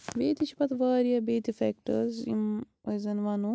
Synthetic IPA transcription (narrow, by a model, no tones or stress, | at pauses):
beːt̪it͡ʃʰipɐt̪ʋaːɾijɐbeːt̪ifekʈɐ̰zḭm | ɐjzɐnʋɐnu